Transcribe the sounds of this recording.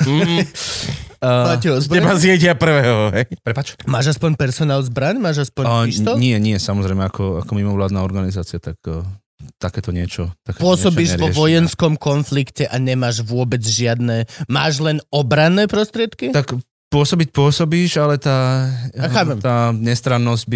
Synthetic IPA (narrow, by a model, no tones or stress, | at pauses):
aɛɔzbɛbasɪjɛcɪapr̩ʋɛːɦɔɦɛjpɾɛpat͡ʃmaːʒaspɔɲpɛɾsɔnaːlzbɾaɲmaːʒaspɔɲt̪ɔɲɪɛɲɪɛsamɔzɾɛjmɛakɔa̰kɔmimɔʋlaːd̪naːɔɾɡanizaːt͡siɪat̪akː | t̪akɛːt̪ɔɲɪɛt͡ʃɔt̪akɛpʊɔsɔbiːʒɛɾɔʋɔjɛnskɔmkɔnflikcɛʔaɲɛmaːʒʋʊɔbɛd͡zʒɪad̪nɛːmaːʒlɛnɔbɾanːɛːpɾɔst̪ɾɪɛt̪kit̪ak | pʊɔsɔbic̚pʊɔsɔbiːʒalɛt̪aːxaːpɛmt̪aːɲɛst̪ɾanːɔzɟbi